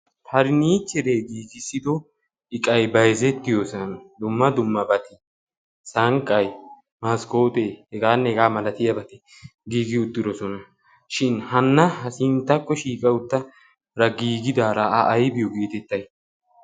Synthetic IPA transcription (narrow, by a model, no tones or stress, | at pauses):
pʰɐɾniːt͡ʃːɛɾeːɡiːɡɪsːɪd̪ɔ | ɪkʼɐjbɐjzɛt̪ːɪjosɐnɐd̪ʊmːɐd̪ʊmːɐbɐt̪ɪ | sɐŋkʼːɐj | maːsko̞ːt̪ʼehɛɡaːnːɛhɛɡaːmɐlɐt̪ɪjɐbɐt̪ɛ | ɡiːɡɪʊt̪ːɪd̪ɔsɔnɐ | ʃɪnhɐnːɐhɐsɪnt̪ːɐkːɔʃiːkʼɐwʊt̪ːɐ | ɾɐɡiːɡɪd̪aːɾɐɐʔːjbɪjɔɡe̞ːt̪ɛt̪ːɐj